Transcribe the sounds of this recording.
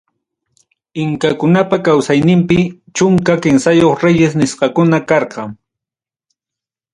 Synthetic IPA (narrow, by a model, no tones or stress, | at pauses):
ɪŋkakʊnapakawsajnɪmpɪ | t͡ʃʊŋkakɪnsajoχɾejes̬nɪsqɑkʊnakɑɾqɑŋ